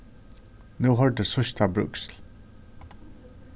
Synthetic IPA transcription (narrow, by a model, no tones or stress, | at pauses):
nuːɦɔɹd̪əsʊʃt̪ʰabɹʉ̰ksl